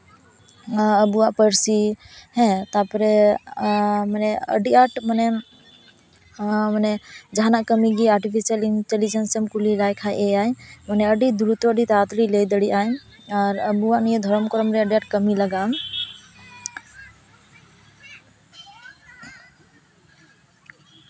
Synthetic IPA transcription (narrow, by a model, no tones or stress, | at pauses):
əbuwaʔpəɾsi | ɦɛ̃t̪apɾɛ | manɛə̰ɖiʔaʈmənɛ | mənɛd͡ʒɦanaʔkəmiɡiaɾʈipʰisəlinʈelid͡ʒənsəmkulilajkʰajʔeajmənɛəɖid̪uɾut̪wɔəɖit̪at̪ɽilejd̪əɽiʔaj | aɾəbuwaʔnijed̪ʱɔɾɔmkɔɾɔmɾɛəɖiaʈkəmiləɡam